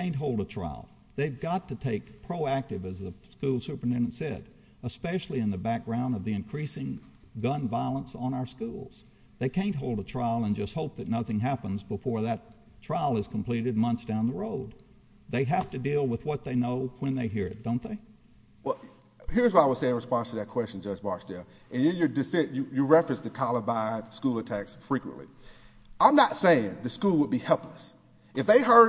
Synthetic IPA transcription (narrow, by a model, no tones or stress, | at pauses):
ẽɪ̃nt̚ɦoʊlˠdətʰɹ̥a̰ɪl̩ˠ | ðeɪvɡɑtɨtʰeɪkpʰɹ̥oʊæk̚tɨvɨzðəskulˠsʉpɹ̥ɨtʰɛ̃ndɨ̃n̩tsɛ̰ɾ | əspɛʃl̩ˠiɨ̃nðɨbæk̚ɡ̥ɹãʊ̃ndʌvðiɨ̃nkʰɹ̥isɪ̃ŋ | ɡʌ̃nvaɪlˠə̃nsn̩aʊə˞skulˠz̥ | ðeɪkʰẽɪ̃nt̚ɦoʊlˠdətʰɹ̥aɪlˠə̃nd͡ʒʌst̚hoʊp̚ðɨtⁿnʌθɪ̃ŋɦæpə̃nzbəfɔɹðɨt | tʰɹ̥aɪlˠɨz̥kʰm̩pʰl̥iɾɨd̚mʌ̃nθsd̥ãʊ̃nðəɹoʊd̪̚ | ðeɪɦæftɨdilˠwəðwʌt̪̚ðeɪnoʊwɨ̃nðeɪɦiɹɨ̰t̚d̥õʊ̃nðeɪ | wɛlˠ | hɪɹzwʌɾaɪwɨ̥seɪɨ̃ɹɨspɑ̃nstʰɨðɨt̚kʰw̥ɛst͡ʃn̩d͡ʒʌd͡ʒbɑɹsdɛlˠ | ʔɨ̃njɨjə˞dɨfɛ̃njɨjɨɹɛfɹɨ̃nsðɨkʰɑlˠəbaɪd̥skulˠətʰæksfɹikwə̰̃nʔlḭ | ʔãɪ̃mnətseɪɪ̃ŋðɨskulˠwəd̚bihɛlˠpləs | ʔɨfðeɪɦɜ˞